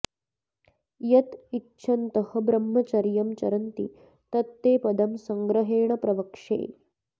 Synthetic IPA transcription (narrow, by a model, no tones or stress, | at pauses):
jɐt̪itːɕʰɐnt̪ɐhɐ̆bɾɐmːɐt͡ʃɐɾjɐmt͡ʃɐ̰ɾɐnt̪ḭ | t̪ɐt̪ːeːpɐd̪ɐmsɐŋɡɾɐɦeːɳɐpɾɐʋɐkʂḛː